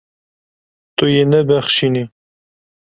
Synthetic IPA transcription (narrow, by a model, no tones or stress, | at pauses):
t̪ujenɛbɛχʃini